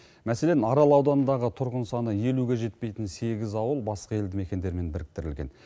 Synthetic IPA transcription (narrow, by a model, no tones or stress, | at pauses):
mæse̞lenɑɾɑlˠɑwd̪ɑnənd̪ɑʁət̪ʰʊɾʁənsɑnəje̞luɡʲe̞ʒe̞t̪̚pe̞jt̪ɪnse̞ɡʲɪzɑwəlˠbɑsqɑe̞ld̪ɪme̞kʲe̞nd̪e̞ɾme̞nbɪɾɪk̚t̪ɪɾɪlɡʲe̞̰n